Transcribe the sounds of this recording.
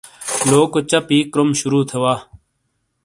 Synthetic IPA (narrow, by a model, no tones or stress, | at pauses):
loːkot͡ɕɐpiːkɾomʃʊɾuːt̪ʰeʋaː